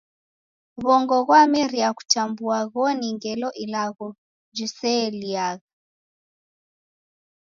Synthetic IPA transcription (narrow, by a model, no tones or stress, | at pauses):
βɔŋɡɔɣwamɛɾiaku̥tambuaɣɔniŋɡɛlɔʔilaɣɔ | d͡ʒusɛliaɣa